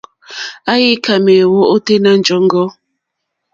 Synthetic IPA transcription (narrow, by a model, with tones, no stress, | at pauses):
a˦ji˦ka˨me˨wo˦o˦te˦na˦n˨d͡ʒɔ˨˦ŋ˦ɡɔ˦